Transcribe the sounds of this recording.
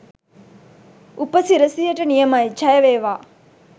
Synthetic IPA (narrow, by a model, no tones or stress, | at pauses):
upəsiɾɐsijɐʈənijɐmajt͡ʃɐjɐʋeːʋaː